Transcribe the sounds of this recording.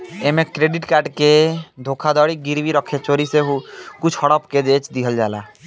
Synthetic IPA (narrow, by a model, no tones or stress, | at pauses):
emẽkɾeːɖɪʈkaːɾɖked̪ʱokʰad̪ɔːɽiɡiɾʋiɾɔkʰet͡ʃoːɾiseɦukʊt͡ʃʰhɔɽɔpked͡ʒeːt͡ʃd̪iɦəld͡ʒa̰ːla̰ː